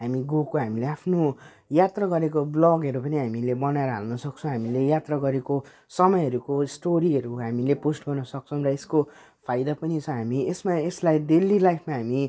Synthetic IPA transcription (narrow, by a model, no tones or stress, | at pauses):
ɦamiɡokoɦamileapʰno | jat̪raɡʌɾekoblʌɡɦʌɾupʌniɦamilebʌnaeɾʌɦalnʌsʌk̚t͡sʰʌ̃w̃ɦamilejat̪raɡʌɾeko | sʌmʌjʌɾukosʈoɾiɦʌɾuɦamileposʈɡʌrnʌsʌk̚t͡sʰʌw̃rʌesko | pʰajd̪apʌnit͡sʰʌ̃ɦamiesmaeslajd̪elilajpʰmaɦami